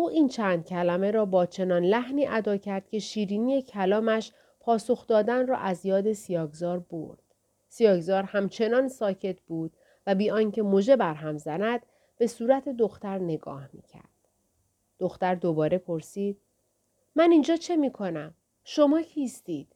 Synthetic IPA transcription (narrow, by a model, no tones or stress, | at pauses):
ʔuːʔiːnt͡ʃʰænd̪̥̚cʲʰælæme̞ɾɒːbɒːt͡ʃʰe̞nɒːnlæhniːʔæd̪ɒːcʰæɾd̪̥̚cʲʰe̞ʃiːɾiːnije̞cʰælɒːmæʃ | pʰɒːso̞xd̪ɒːd̪ænrɒ̰ːʔæzjɒːd̪e̞sijɒːɡzɒːɾbo̰ɾd̪̥ | sijɒːɡzɒːɾhæmt͡ʃʰe̞nɒːnsɒːcʰe̞t̪̚ʰb̥uːd̪̥̚ | væbiːɒːŋcʰe̞moʒe̞bæɾɦæmzænæd̪̥ | b̥e̞suːɾæt̪ʰe̞d̪o̞xt̪æɾne̞ɡɒ̰ːhmḭːcʰæ̰ɾd̥̪̚ | d̪̥o̞xt̪æɾd̪obɒːɾe̞pʰo̞ɾsiːd̪̥̚ | mænind͡ʒɒːt͡ʃʰe̞miːkʰo̞næm | ʃo̞mɒːcʰiːst̪iːd̪̥